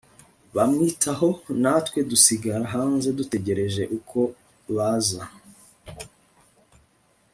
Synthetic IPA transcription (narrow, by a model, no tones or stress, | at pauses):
βamŋiːtʰaho̞natwe̞dusiɡaɾaɦaːnze̞dute̞ɟe̞ɾe̞ʒe̞ʔukʰo̞ | βaːza